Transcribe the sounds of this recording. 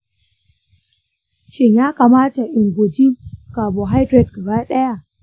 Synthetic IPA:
t͡ʃi˨ɲa˦ka˨ma˦ta˨ʔi˨nɡo˨d͡ʒi˦mka˨bɔ˨ɦa˦jdɾe˨t̚ka˨ɣa˦ɗɛ˦a˨

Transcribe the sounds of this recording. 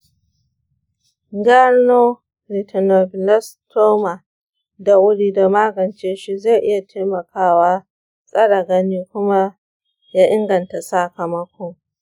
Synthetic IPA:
ɡɐ˦ɾno˦ | ɾi˨tʰɐ˨no˨bɪ˨lɐ˦stʰoː˦ma˨ | da˨wʊ˦ɽiː˦da˨maː˦ɡɐ˨nt͡ʃeː˦ʃi˦za˦˨ʔɪ˦ja˨tʰeː˦mɐ˨kʰaː˦waː˦ | sʼɐ˦ɽa˨ɡɐ˦niː˦kʷʊ˦ma˦ | jaː˦ʔɪ˦ŋɡɐ˨nta˨sa˦kɐ˨mɐ˦kʷɔ˦ŋ

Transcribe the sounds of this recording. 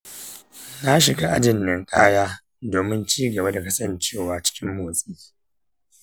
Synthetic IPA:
na˦ʃɪ˨ɡa˦ʔa̰˦d͡ʒɪ˨nːɪ˨ŋkʼa̰ː˦jaː˦ | doː˨mɪ˦nt͡ʃiː˦ɡɐ˨ba˦da˨kɐ˦sɐ˦˨nt͡ʃeː˦˨waː˨t͡ʃɪ̥˦kʲɪ˦mːoː˨sʼiː˦

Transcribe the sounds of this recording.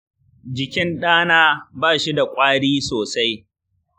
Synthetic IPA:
d͡ʒɪ˨kʲɪ˦nɗaː˦naː˦baː˦˨ʃi˦da˨kʷʼaː˦ɽiː˦soː˨sa˦j

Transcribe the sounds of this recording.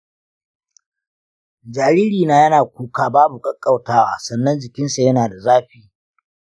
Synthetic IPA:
d͡ʒaː˨ɾiː˦ɾiː˨naː˦jɐ˦naː˨kʷuː˦kaː˦baː˦bu˨kʼɐ˦kʼːa˨wtaː˦waː˦sɐ˦˨nːɐ˦nd͡ʒɪ˨kʲɪ˦nsa˨jɐ˦naː˨da˨zaː˦ɸiː˨

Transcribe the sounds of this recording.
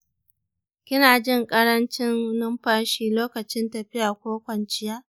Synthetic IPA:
kʲɪ˦naː˨d͡ʒɪ˦˨ŋkʼɐ˦ɽɐ˦nt͡ʃɪ˦n˦nɪ˦mɸaː˦ʃiː˨loː˦kɐ˨t͡ʃɪ˦ntɐ˨ɸɪ˦jaː˨kʷoː˦kʷɐ˨nt͡ʃɪ˦jaː˦

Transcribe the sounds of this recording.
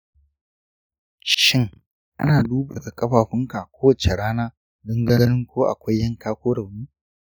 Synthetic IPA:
ʃʃɪ˦ŋ | ʔa̰˦naː˨duː˦bɐ˨ɡa˨kʼɐ˦ɸaː˨ɸɪ˦ŋka˨kʷoː˦wɐ˨t͡ʃe˨ɽaː˦naː˦ | dɐ˦ŋɡɐ˦ɐ˦nɪ˦ŋkʷoː˦ʔa̰˨kʷa˦jːɐ˦˨ŋkaː˦kʷoː˦ɽɐ˨wnuː˦

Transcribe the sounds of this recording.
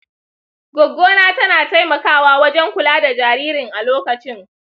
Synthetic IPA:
ɡʷɔ˨ɡːoː˦naː˦tɐ˦naː˨ta˦jmɐ˨kaː˦waː˦wɐ˦d͡ʒɛ˦ŋkʷʊ˨laː˦da˨d͡ʒaː˨ɾiː˦ɾɪ˨ŋʔa˨loː˦kɐ˨t͡ʃɪ˦ŋ

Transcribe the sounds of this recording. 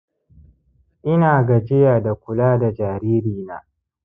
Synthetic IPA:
ʔɪ˦naː˨ɡɐ˨d͡ʒɪ˦jaː˨da˨kʷʊ˨laː˦da˨d͡ʒaː˨ɾiː˦ɾiː˨na̰ː˦

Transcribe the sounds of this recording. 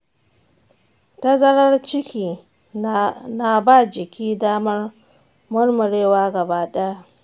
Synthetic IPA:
tɐ˦zɐ˦ɽɐ˦rt͡ʃɪ˦kʲiː˨ | na˨baː˦˨d͡ʒɪ˨kʲiː˦daː˦mɐ˦r | mʊ˦rmʊ˨ɽeː˦waː˦ɡɐ˨baː˦ɗɛ˦ja˦

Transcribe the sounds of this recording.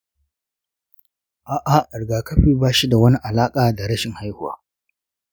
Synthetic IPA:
ʔaː˨ʔa˨ɐ˨ɽɡaː˨kɐ˦ɸiː˦baː˦ʃi˦da˨wɐ˦ni˦ʔa˨laː˦kʼaː˨da˨ɽɐ˦ʃɪ˨ŋha˦jhʊ˨wa̰ː˦

